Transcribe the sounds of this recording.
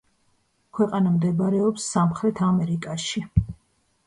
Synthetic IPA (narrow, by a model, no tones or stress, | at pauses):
kʰwɛqʼanamd̪ɛbɾɛɔpsːamχɾɛt̪ʰamɛɾikʼaʃi